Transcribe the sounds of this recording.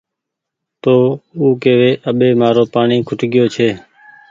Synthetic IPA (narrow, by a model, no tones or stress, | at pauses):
t̪oːuːkeːʋeːʔəɓeːmaːɾoːpaːɳiːkʰʊʈɠɪjoːt͡ʃʰeː